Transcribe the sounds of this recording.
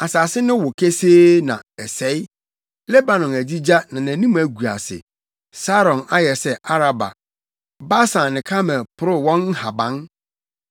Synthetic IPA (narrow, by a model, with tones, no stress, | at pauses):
a˨saː˨sɪ˦nʊ̃˦wʊ˨kʰe˦seː˦nã̰˨ɛ˨sɛ˦ɪ˦ | le˦ba˨nɔ̃˨næ˨d͡ʑi˦d͡ʑa˦nã˨næ̃˨nĩ˦m˦æ˨ɡu˨a̰˨sɪ̰˨ | sa˦ɾɔ̃˨na˦jɛ˨sɛ˦a˦ɾa˨ba̰˨ | ba˦sã˨n˨nɪ̃˨kʰa˦mɛ̃˨pʰʊ˨ɾʊ˦wɔ̃˦n̩˦ha˨bã˨˦n